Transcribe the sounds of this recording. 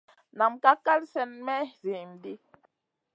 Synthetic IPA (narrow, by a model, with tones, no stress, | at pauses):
na˨mka˦ka˦lsɛ˦nmɛ˦zi˨mdi˦